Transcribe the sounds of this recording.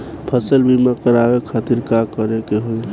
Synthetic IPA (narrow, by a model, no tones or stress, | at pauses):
pʰəsəlbʱimakəɾabekʰat̪iɾkakəɾekeɦol